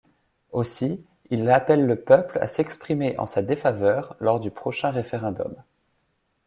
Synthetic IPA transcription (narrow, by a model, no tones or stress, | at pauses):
osi | ilapɛlːəpœpla̰sɛkspχimeʔɑ̰̃sad̪efavœʁlɔʁd̪ypχɔʃɛ̃ʁefeʁɛ̃d̪ɔ̰m